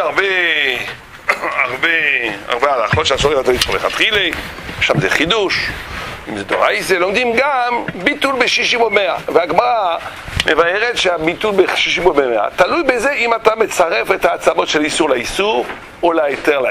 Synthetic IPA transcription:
aʁbe | aʁbea̰ʁbealaχɔtʃeaʃɔʁɛvat̪aisuʁleχat̪χile | ʃamzeχid̪uʃimzed̪o̰ʁajselɔ̃ŋd̪imɡambit̪ulbeʃiʃimumea̰veaɡmaʁa | mevaɛʁɛt̪ʃeabit̪ulbeʃiʃimumemea̰t̪alujbezeʔimat̪amet͡saʁɛfɛt̪aːt͡samɔt̪ʃɛlisuʁlaisuʁ | ulaet̪ɛʁla

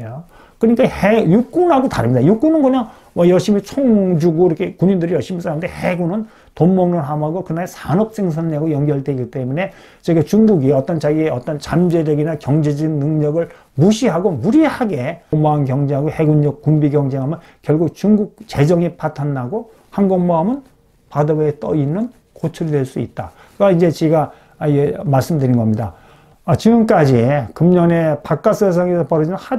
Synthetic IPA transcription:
o | kɯɲik͈ahejuk͈unɦaɡotaɾɯmɲidajuk͈unɯnkɯɲaŋ | wʌjʌɭɕ͈imit͡ɕʰoŋd͡ʑuɡoiɾʌkʰe̞kuɲindɯɾijʌɭɕ͈imisʰaɾamdeheɡunɯn | tommʌŋnɯnɦamɦaɡokɯnaesʰanʌp̚s͈eŋsʰʌnɲeaɡojʌŋɡjʌɭtde̞ɡit͈e̞mune̞ | t͡ɕeɡat͡ɕuŋɡuɡiʌt͈ʌnt͡ɕaɡieʌt͈ʌnt͡ɕamd͡ʑe̞d͡ʑʌɡinakjʌŋd͡ʑed͡ʑinːɯŋɲʌɡɯɭ | muɕʰiɦaɡomuɾihaɡe̞ŋmoamɡjʌŋd͡ʑeɦaɡohe̞ɡuɲːʌk̚k͈ːumbiɡjʌŋd͡ʑe̞ŋɦamjɯn | kjʌɭɡuk̚t͡ɕuŋɡuk̚t͡ɕe̞d͡ʑʌŋipʰatʰanːaɡo | hanɡʌŋmoɦamɯn | padʌbeet͈ʌinːɯn | kot͡ɕʰuɾidwe̞ɭs͈uit̚t͈a | kɡaind͡ʑe̞t͡ɕeɡa | iemaɭs͈ɯmdɯɾinɡʌmɲida | t͡ɕiɡɯmk͈ad͡ʑikɯmɲʌne̞pak̚k͈as͈ʰes̬ʰaŋesʰʌpʌɾɯd͡ʑiʌnha

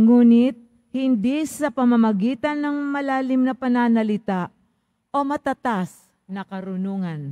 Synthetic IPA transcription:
ŋuːnɪt̪̚ | hɪnd̪isɐpɐmɐmɐɡiːt̪ɐnːɐŋmɐlaːlɪmnɐpɐnaːnɐlɪt̪aʔ | ʔo̞mɐt̪ɐt̪as | nɐkɐɾʊnuːŋɐn

